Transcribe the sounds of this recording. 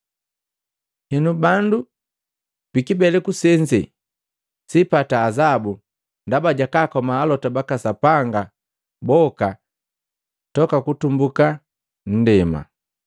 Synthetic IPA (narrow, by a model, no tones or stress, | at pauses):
hɛnubandu | pikibɛlɛkusɛɲd͡ʒɛ̰ | sipataːzabu | ndabaɟakaːkɔmaːlɔtabakasapaŋɡa | bɔka | tɔkakutumbuka | n̩dɛma̰